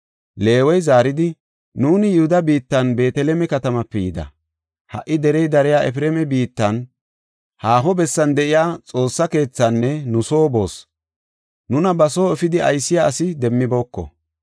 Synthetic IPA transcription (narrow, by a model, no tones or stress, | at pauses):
le̞ːwɔjzaːɾɪd̪ɪ | nuːnɪjʊhʊd̪ɐbiːt̪ːɐnbe̞ːt̪ɛlɛmɛkɐt̪ɐmɐpːɛjɪd̪ɐ̰ | hɐ̰ʔɪd̪ɛɾɛjd̪ɐɾɛjaːʔɛfɪɾɛːmɛbiːt̪ːɐn | haːɦɔbɛsːɐnd̪ɛʔɪjaːt͡sʼo̞ːsːɐke̞ːt͡sːɐnːɛnʊso̞ːbo̞ːs | nʊnɐbɐso̞ːɛfɪd̪ɪɐjsːɪjaːsɪd̪ɛmːɪbo̞ːkːɔ̰